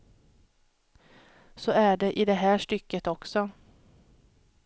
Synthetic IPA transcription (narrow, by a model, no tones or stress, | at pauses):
sɔæɖɛʔɪd̪ɛɦæːʂʈʏkːət̪ɔksɔ